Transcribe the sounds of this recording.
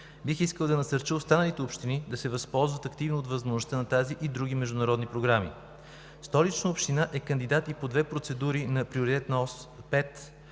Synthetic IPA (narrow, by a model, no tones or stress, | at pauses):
bixiskəlˠd̪ɐnɐsəɾt͡ʃiost̪anəlit̪ɛopʃt̪inid̪ɐsɛvɐspɔlˠzvət̪ɐkt̪ivnoːt̪vəzmoʒnost̪anɐt̪aziʔid̪ɾuɡimɛʒd̪ʊnɐɾɔd̪nipɾoɡɾamḭ | st̪ɔlit͡ʃnəopʃt̪inaʔɛkɐnd̪id̪at̪ipod̪vɛpɾot̪sɛd̪uɾinɐpɾioɾit̪ɛt̪nɐɔspɛt̪